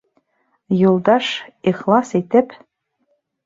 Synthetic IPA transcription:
jolˠd̪ɑʂeχlˠɑset̪ɘ̆p

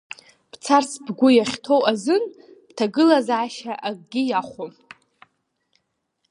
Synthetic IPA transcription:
pt͡sʰarsbɡʷʊjaχʲtʰo̞wʔazɨn | tʰaɡɨlazʕaʃaʔaɡ̚ʼɡʲɪjaχʷo

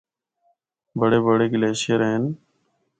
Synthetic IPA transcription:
bəɽeːbəɽeːɡɪleːʃeːɾeːɪn

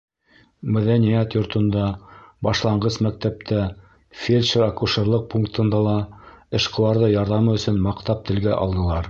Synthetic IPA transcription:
mæðænijæt̪jŏɾt̪ɤ̆nd̪ɑbɑʃlˠɑɴɢɤsmæk̚t̪æp̚t̪æ | fʲelʲʃeɾakuʃɤ̆ɾlˠɤq̚puŋkt̪ʰɤ̆nd̪ɑlˠɑɘ̆ʃqɤ̆w̪ˠɑɾðɤjɑɾðɑmɤɵ̆sɵnmɑqt̪ɑp̚t̪ʰɘ̆lɡæʔɑ̰lˠd̪ɤ̆lˠɑɾ

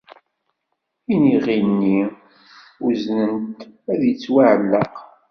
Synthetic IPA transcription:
iniʁinːi | uznənt̪æðjət͡sːwaʕəlːəq

